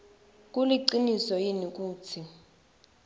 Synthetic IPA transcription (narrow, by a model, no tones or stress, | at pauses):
k̬ʼuliǀinisɔjinik̬ʼuːt͡sʰi